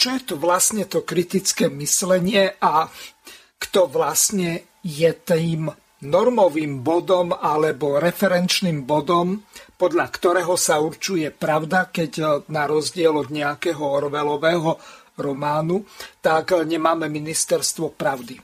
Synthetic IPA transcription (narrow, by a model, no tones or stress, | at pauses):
t͡ʃɔjɛt̪uʋlasɲɛt̪ɔkɾit̪it͡skɛːmislɛɲɪɛʔa | kt̪ɔʋlasɲɛ | jɛt̪iːm | nɔɾmɔʋiːmbɔd̪ɔmalɛbɔɾɛfɛɾɛnt͡ʃniːmbɔd̪ɔmpɔd̪ʎakt̪ɔɾɛːɦɔsauɾt͡ʃujɛpɾaʊd̪akɛɟnaɾɔzɟɪɛlɔd̪ɲɛakɛːɦɔɔɾʋɛlɔʋɛːɦɔ | ɾɔmaːnut̪akɲɛmaːmɛminist̪ɛɾst̪ʋɔpɾaʊd̪i